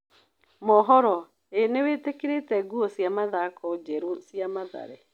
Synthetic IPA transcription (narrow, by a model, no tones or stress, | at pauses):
mɔɦɔɾɔ | eneweːtekeɾetɛɡuɔsjamaðakɔd͡ʒɛɾosiamaða̰ɾɛ